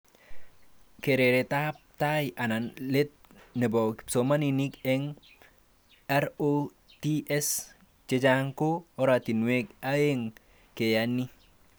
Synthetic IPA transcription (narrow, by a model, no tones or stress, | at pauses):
keɾeɾet̪ap̚t̪ajʔananlet̪̚ | nɛbɔkpsomaninikɛŋ | ɛɾo | tiɛs | t͡ʃed͡ʒaŋkoɔɾat̪inwekaeŋ | kejani